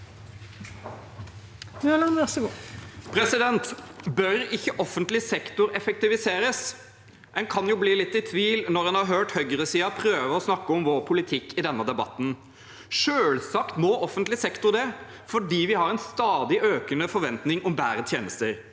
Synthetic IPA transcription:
ʉlɑŋʋɛsəɡupʰɾɛsɪd̪ɛnt̪bœɾɪçːəʔɔfːənt̪lɪsɛkt̪ʊɾɛfɛk̚t̪ɪʋɪseːɾəs | ʔɛnkʰɑnjʊbliːlɪt̪ːɪt̪ʰʋiːlnɔɾhɛnhɑɾɦøːʈhœɡəɾəsiːɑpʰɾøːʋəɔsnɑkːəɔmʋoːɾpʰʊlɪt̪ʰɪkːɪd̪ɛnːəd̪ɛbɑ̰t̪ːn̩ | ʃøːlsɑkt̪mɔːʔɔfːənt̪lɪsɛkt̪ʊɾd̪ɛ | fɔɖiːʋɪhɑɾɛɪnst̪ɑːd̪ɪʔøːkənəfɔɾʋɛnt̪nɪŋɔmbæːɾət̪ʰjeːnəst̪əɾ

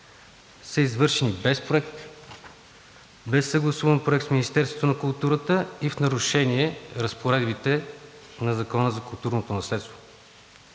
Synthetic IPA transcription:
səizvɤɾʃɛnibɛspɾʊɛk̚t̪ | bɛsːəɡlˠɐsuvənpɾʊɛkt̪sminist̪ɛɾst̪vot̪onɐkʊlˠt̪uɾət̪əifnɐɾʊʃɛniɛɾəspoɾɛd̪bit̪ɛ | nɐzɐkɔnəzɐkʊlˠt̪uɾnot̪onɐslɛt̪st̪vo

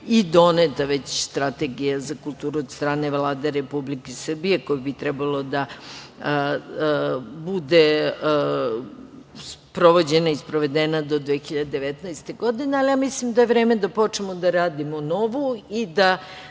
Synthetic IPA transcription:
id̪o̞net̪aʋe̞t͡ɕst̪ɾat̪e̞ɡijazakulˠt̪uːɾuod̪st̪ɾaːne̞ʋlˠaːd̪eɾe̞publikesr̩bije̞ko̞jibit̪ɾɛbalˠo̞d̪a | bud̪e | spɾo̞ʋo̞d͡ʑe̞naispɾoʋe̞d̪enad̪o̞d̪ʋeːxiʎad̪ed̪eʋet̪naest̪e̞ɡo̞d̪ine̞alijamislimd̪aje̞ʋɾeːme̞d̪apo̞t͡ʂnemod̪aɾaːd̪imono̞ʋuid̪a

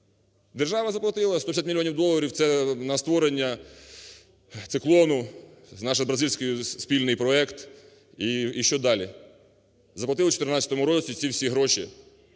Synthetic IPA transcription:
d̪erʒɑʋɐzɐplˠɐt̪ɪlˠɐst̪ɔpʲsʲat̪mʲilʲiɔnʲiwd̪ɔlˠɐɾʲiwt̪sɛnɐst̪ʋɔɾenʲːɐ | t̪sɪklˠɔnʊznɑʃɪbɾɐzilʲsʲkɔjʊspʲilʲnɪjpɾɔɛkt̪ | iːʃt͡ʃɔd̪ɑlʲi | zɐplˠɐt̪ɪlɐt͡ʃɔ̥t̪ernɑt͡sʲɐt̪ɔmʊɾɔt͡sʲit͡ssʲiwsʲiɦɾɔʃi

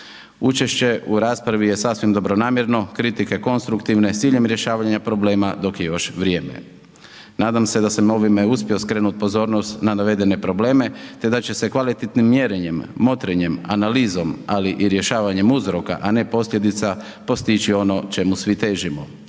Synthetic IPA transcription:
ut͡ʃe̞ʃt͡ɕe̞ʔuɾaːspɾaʋije̞sasʋimd̪o̞bɾo̞naːmjeɾno̞kɾit̪ike̞ko̞nst̪ɾukt̪iʋne̞t̪iːʎe̞mɾje̞ʃaːʋaɲapɾo̞ble̞ːmad̪o̞kjejo̞ʃʋɾʲje̞ːme̞̰ | naːd̪amse̞d̪asamo̞ʋime̞uspʲjio̞skɾe̞ːnut̪̚po̞zo̞ːɾnost̪nanaʋe̞d̪e̞ne̞pɾo̞ble̞ːme̞t̪e̞d̪at͡ɕe̞se̞kʋalit̪et̪nimːje̞ɾeɲe̞mːo̞t̪ɾeɲe̞manaliːzo̞maliʔiɾje̞ʃaːʋaɲe̞muzɾo̞ka̰ʔane̞po̞slʎʲje̞d̪it̪sa | po̞st̪it͡ɕio̞no̞t͡ʃe̞musʋit̪e̞ːʒimo

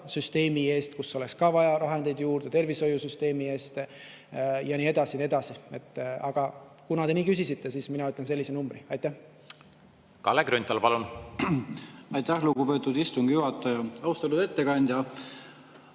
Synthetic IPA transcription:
syst̪e̞ːmie̞ːst̪kusːeo̞le̞kskɑːvɑjɑɾɑɦend̪̥e̞jd̪̥juːrd̪̥e̞t̪e̞rviso̞jusyst̪e̞ːmie̞ːst̪ | jɑniːed̪̥ɑsinie̞d̪̥ɑsie̞t̪ˑːɑɡ̥ɑkunɑd̪e̞niːkysisit̪ːe̞siːsminɑyt̪lense̞lːisenumbriɑjt̪ːˑæh | kɑ̰lːekɾynʲt̪ːɑlpɑlun | ɑjt̪æhlukupe̞ːt̪ːˑud̪ist̪uŋɡ̥juhɑt̪ːˑɑjɑɑwst̪ɑlud̪et̪ːekɑnʲd̪̥ʲjɑ

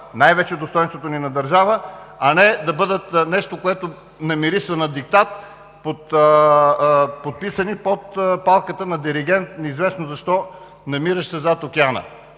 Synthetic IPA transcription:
najvɛt͡ʃɛd̪ost̪ɔjnst̪vot̪oninɐd̪ɐɾʒavəɐnɛd̪ɐbɤd̪ət̪nɛʃt̪okoɛt̪o | nɐmiɾisvɐnɐd̪ik̚t̪at̪̚ | pot̪ | pot̪̚pisənipot̪palˠkət̪ənɐd̪iɾiɡ̟ɛnt̪nɛizvɛsnozɐʃt̪ɔ | nɐmiɾəʃsɛzat̪okianə̰

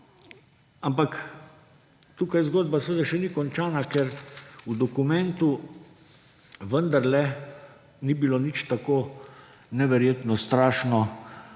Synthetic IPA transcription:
ampak | t̪ukajzɡoːd̪̚basʋəd̪aʃɛnikɔnt͡ʃaːnakɛɾud̪ɔkumɛ̃nt̪u | ʋənd̪aɾlɛ | nibilonit͡ʃt̪akoː | nɛʋɛɾjeːt̪nɔst̪ɾaːʃnɔ

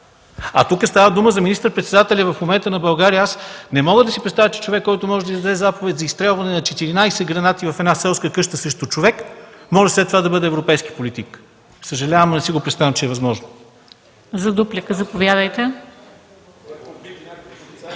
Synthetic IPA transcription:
ɐ̰t̪ukəst̪avəd̪uməzɐminist̪əɾpɾɛt̪sɛd̪at̪ɛlʲəvɐfmomɛnt̪ənɐbɐlˠɡaɾiəasnɛmɔɡəd̪ɐsipɾɛt̪t̪avʲət͡ʃɛ̥t͡ʃovɛkːɔjt̪ʊmɔʒɛd̪ɐid̪d̪d̪ɛzapovɛt̪ʲzɐist̪ɾɛlˠvɐnɛnɐt͡ʃɛt̪iɾinajsɛɡɾɐnat̪ivɐfɛd̪nasɛlˠskəkɤʃt̪əsəʃt̪ʊt͡ʃovɛkmɔʒɛslɛt̪ːovad̪ɐbɤd̪ɛːvɾopɛjski̥polit̪ik | səʒɐlʲavəmnɛsiɡopɾɛt̪st̪avɛmt͡ʃɛɛvɐzmɔʒnʊ | zɐd̪uplʲikəzɐpovʲjad̪əjt̪ɛ

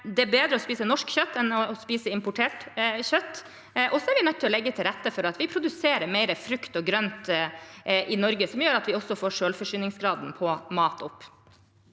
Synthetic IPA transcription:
d̪ɛæbeːd̪ɾəɔspiːsənɔʂkçœt̪ːɛnɔspiːsəɪmpʊʈʰeːʈçœt̪ː | ʔɔsɔæɾʋɪnœt̪ːɪlɔlɛɡːət̪ʰɪlɾɛt̪ːəfɔɾɑt̪ʋɪpʰɾʊd̪ʉseːɾəɾmɛɪɾəfɾʉkt̪ɔɡɾœnt̪ | ʔɪnɔɾɡəsɔmjøːɾɑt̪ʋɪɔsːɔfoːʂøːlfɔʂyːnɪŋsɡɾɑːd̪n̩pʰɔmɑːt̪ʰɔpː

